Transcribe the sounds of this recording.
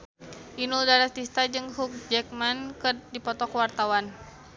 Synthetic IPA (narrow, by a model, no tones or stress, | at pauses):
ʔinuldaɾat̪ist̪ad͡ʒɨŋhuk̚d͡ʒɛk̚mankɨrdipɔt̪ɔkwart̪awan